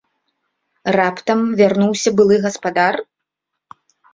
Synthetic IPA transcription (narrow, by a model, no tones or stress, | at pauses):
rapt̪ɐmvʲarnuwsʲɐbɨlˠɨɣɐspad̪ar